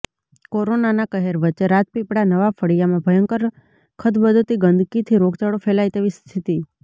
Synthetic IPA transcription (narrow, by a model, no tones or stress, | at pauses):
koɾonanakəɦeɾʋət͡ʃːeɾat̪̚pipɽanəʋafʰəɽijamãbʱəjəŋkəɾ | kʰəd̪bəd̪ʱət̪iɡənd̪ʱkit̪ʰiɾoɡt͡ʃaɽofelajt̪eʋist̪ʰit̪i